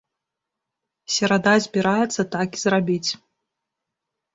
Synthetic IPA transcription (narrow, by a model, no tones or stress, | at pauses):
sʲɛɾad̪azʲbʲiɾajɛt̪sːɐt̪akizrabʲit͡sʲ